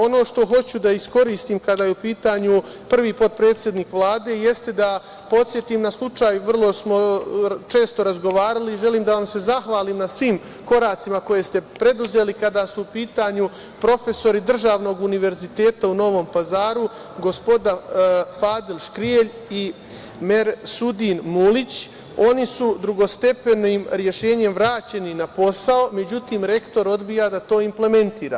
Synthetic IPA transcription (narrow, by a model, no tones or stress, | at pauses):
o̞no̞ːʃt̪o̞ɦo̞t͡ɕud̪aisko̞ɾiːst̪iːmkad̪aːjeupiːt̪aɲu | pr̩ʋiːpo̞t̪̚pɾe̞ːt̪sjed̪niːkʋlˠaːd̪e̞je̞st̪e̞d̪a | po̞t̪sʲje̞t̪iːmnaslˠut͡ʃaːjuʋr̩lˠo̞smo̞t͡ʃe̞ːst̪o̞ɾazɡo̞ʋaːɾaliːʒe̞liːmd̪aʋamse̞zaxʋaːliːmnasʋiːm | ko̞ɾaːt̪simako̞je̞st̪e̞pɾe̞d̪uze̞ːlikad̪asuupiːt̪aɲu | pɾo̞fe̞so̞ɾid̪r̩ʒaːʋno̞ːɡuniʋe̞ɾzit̪e̞ːt̪auno̞ʋo̞ːmpazaːɾu | ɡo̞spo̞d̪afaːd̪ilˠʃkɾieʎ | i | meɾsud̪inmulit͡ɕ | o̞nisud̪ɾuɡo̞st̪e̞pe̞nimɾje̞ʃe̞ːɲe̞mʋɾaːt͡ɕe̞ninapo̞sao̞me̞d͡ʑut̪iːmɾe̞kt̪o̞ɾo̞d̪bijad̪at̪o̞ːimple̞me̞nt̪iːɾa̰ː